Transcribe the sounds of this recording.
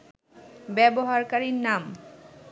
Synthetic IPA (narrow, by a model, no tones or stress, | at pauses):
bɛboɦaɾkaɾiɾnam